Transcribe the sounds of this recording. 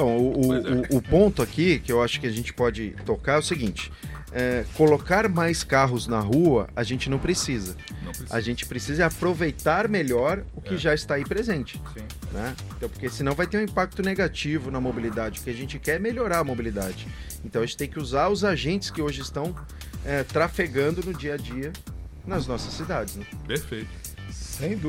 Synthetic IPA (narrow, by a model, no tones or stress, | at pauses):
t̪ɐ̃w̃ʊʊʊːpõnt̪ʊakikɪewaʃʊ̥kɪaʒẽnt͡ʃɪ̥pɔd͡ʒɪt̪okaɾɛʊsɪɡĩnt͡ʃɪ̥ | ɛkolokaɾmajskaɦʊznɐɦuɐaʒẽnt͡ʃɪnɐ̃w̃pɾesizɐ̃ | a̰ʒẽnt͡ʃɪ̥pɾesizɐɛapɾovejt̪aɾmeʎɔɾʊkɪʒaɪst̪aipɾezẽnt͡ʃɪ̥sĩ | nɛẽt̪ɐ̃w̃poɾkesɪnɐ̃w̃vajt̪eɾũĩpak̚t̪ʊneɡat͡ʃivʊnɐmobilid̪ad͡ʒɪʊɾkɪaʒẽnt͡ʃɪkɛɾmeʎoɾaɾɐmobilid̪a̰d͡ʒɪ | ẽnt̪ɐ̃w̃ɐʒẽt͡ʃɪt̪ẽj̃kɪuzaɾʊzaʒẽnt͡ʃɪ̥skɪoʒɪɪst̪ɐ̃w̃ | ɛt̪ɾafeɡɐ̃nd̪ʊnʊd͡ʒiɐd͡ʒiɐ | nɐznɔsɐsːid̪ad͡ʒɪznɛpeɾfejt̪ʊ̥ | sẽj̃d̪u